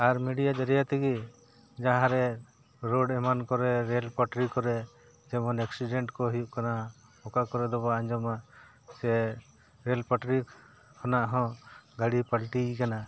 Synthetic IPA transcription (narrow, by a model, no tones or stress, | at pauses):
aɾmiɖijad͡ʒaɾijat̪iɡi | d͡ʒaɦãɾɛ | ɾoɖɛmankɔɾɛɾɛlpaʈɾikɔɾɛ | d͡ʒɛmɔnɛksiɖɛɳʈkɔɦijuʔkana | ɔkakɔɾɛd̪ɔβaaɲd͡ʒɔma | sɛ | ɾɛlpaʈɾi | kʰɔnaʔɦɔ̃ɡaɽipalʈikana